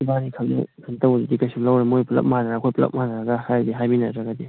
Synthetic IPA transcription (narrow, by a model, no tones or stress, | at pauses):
banikʰaŋnɯ̰kʰantawdidikasuŋlawɾemojplɐ̰p̚manaɾakʰojplɐ̰p̚manaɾaɡahajdiɦajminaɾaɡad̪i